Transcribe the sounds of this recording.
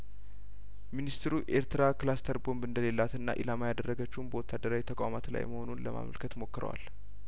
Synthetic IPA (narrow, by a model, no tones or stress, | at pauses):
minist̪ʰɾuʔe̞ɾt̪ɨɾaklast̪ʰəɾbo̞nbɨnd̪əle̞lːat̪ɨnːa̰ʔḭlamajad̪ərːəɡət͡ʃːɛmbəwɔt̪ʰːad̪əɾawit̪ʰəkʼamat̪la̰jməho̞nunləma̰mə̰lkʰət̪mo̞kːɨɾə̰wa̰l